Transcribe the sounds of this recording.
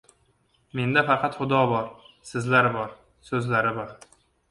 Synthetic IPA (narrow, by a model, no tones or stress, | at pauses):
me̞nd̪afɑqʰɑt̪χʊd̪ɒbɒɾ | sɪzlaɾɪbɒɾ | sɵzlaɾɪbɒɾ